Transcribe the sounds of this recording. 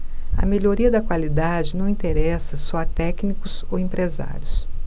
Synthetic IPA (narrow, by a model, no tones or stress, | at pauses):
ɐ̰meʎoɾiɐd̪ɐkwalid̪ad͡ʒɪnɐ̃w̃ĩt̪eɾɛsɐsɔɐt̪ɛknikʊs | owẽpɾeza̰ɾʲjʊs